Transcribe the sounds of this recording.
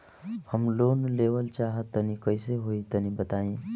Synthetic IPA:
həmlonleʋəlt͡ʃaɦət̪ːənikəɪseɦoit̪ənibət̪aẽ

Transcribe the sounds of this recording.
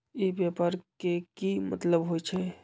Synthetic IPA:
ibjapaɾkekimə̰t̪ləbɦojt͡ʃʰɛ

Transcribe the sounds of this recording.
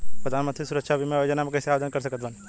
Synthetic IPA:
pɾəd̪ʱaːnmə̃nt̪ɾisuɾəkʃʰabʱimẽjod͡ʒənamekɐjseaʋed̪ʱənkəɾsəkət̪bən

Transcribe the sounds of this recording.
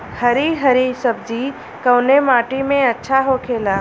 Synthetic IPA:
hɐɾiɦɐɾisɐbd͡ʒi | kɐʋnemaːʈimẽɐtːʃʰaɦokʰeːlaː

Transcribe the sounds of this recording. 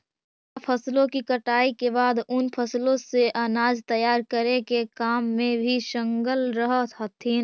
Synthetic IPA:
pʰəslõkikəʈaːikebaːd̪ʊnpʰəslõseʔənaːd͡ʒt̪əjaːɾkəɾekekaːmːẽbʱiʃə̃ŋɡəlɾəɦət̪ɦət̪ʰːiːn

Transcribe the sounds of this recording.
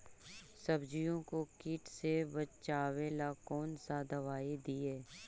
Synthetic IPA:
səbd͡ʒijõkokiːʈsebət͡ʃaːʋelakɔːnsad̪ɐʋaːid̪ieː

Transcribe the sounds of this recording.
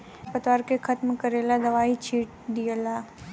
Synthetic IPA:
pət̪ʋaːɾkekʰɐt̪mkɐɾeːlad̪ɐʋaːit͡ʃʰiːʈ | d̪ijəla

